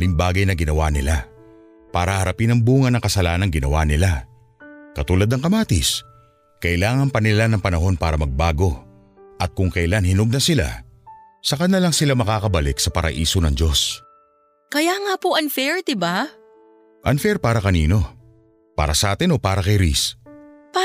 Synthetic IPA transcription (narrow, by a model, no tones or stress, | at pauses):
lɪŋbaːɡɐjnɐɡɪnɐwaːnɪla | paːɾɐhhɐɾɐpinɐŋbuːŋɐnɐŋkɐsɐlaːnɐŋɡɪnɐwaːnɪla | kɐt̪uːlɐd̪nɐŋkɐmaːt̪ɪs | kɐʔɪlaːŋɐnpɐnɪlanɐŋpɐnɐɦo̞npaːɾɐmɐɡ̚baːɡo̞ | ʔɐt̪̚kʊŋkɐʔjlanhɪnoɡ̚nɐsɪla̰ | sɐkɐnːɐlɐŋsɪlamɐkaːkɐbɐlɪksɐpɐɾʔɐ̰ʔiːsonɐŋd͡ʒo̞s | kɐjaŋapoʔɐnfɛɹd̪ɪba | ʔɐnfɛɾpaːɾɐkɐniːno̞ | pa̰ːɾɐsɐʔaːt̪ɪnopaːɾɐkɐjɾḭsp